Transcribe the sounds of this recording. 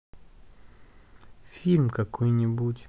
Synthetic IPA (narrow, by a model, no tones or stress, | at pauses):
fʲilʲmkɐkojnʲɪbutʲ